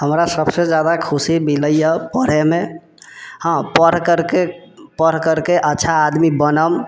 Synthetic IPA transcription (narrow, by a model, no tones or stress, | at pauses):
ɦəmɾasəbsed͡ʒad̪akʰusimiləjəpəɾ̤eme | hãpəɾ̤kəɾkepəɾ̤kəɾkeʔətːʃʰaːd̪mibənəm